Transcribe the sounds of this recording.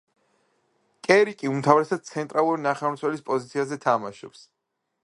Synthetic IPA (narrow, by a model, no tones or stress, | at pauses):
kʼɛɾikʼiumt̪ʰavɾɛsad̪̚t̪sʰɛnt̪ʼɾʔalˠuɾinaχɛmt̪sʰwɛlispʼɔzit̪sʰiazɛt̪ʰamaʃɔ̰ps